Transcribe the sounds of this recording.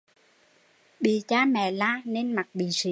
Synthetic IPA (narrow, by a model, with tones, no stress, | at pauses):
ɓḭ˧˨t͡ɕaː˧mɛ̰˧˨laː˧˥ne˧nma˨˩t̚ɓḭ˧˨si˧˨